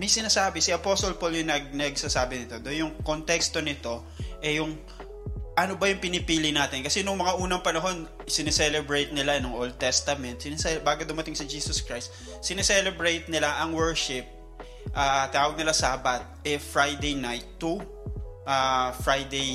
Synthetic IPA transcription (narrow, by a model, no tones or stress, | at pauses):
mɐjsɪnaːsaːbɪsɪʔɐposolpolnɪnɐɡ̚nɐɡsasaːbɪnɪt̪o̞d̪onjʊŋkont̪ɛkst̪o̞nɪt̪o̞ | ʔɛjʊŋ | ʔɐnobɐjʊŋpɪnɪpiːlɪnaːt̪ɪnkɐsɛnʊŋmɐŋaʔuːnɐŋpɐnɐɦo̞nsɪnɛsɛlɛbɹejt̪̚nɪlaɛnʊŋʔold̪̚t̪ɛst̪ɐmɛnt̪̚sɪnsɛbaːɡod̪ʊmɐt̪ɪŋsɪd͡ʒiːsoskɹajst̪̚ | sɪnɛsɛlɛbɹejt̪̚nɪlaʔɐŋwɛɹʃɪp̚ | ʔaːt̪ɪaːwɐɡ̚nɪlasaːbɐt̪̚ɛfɹajd̪ejnajt̪ːu | ʔafɹajd̪ej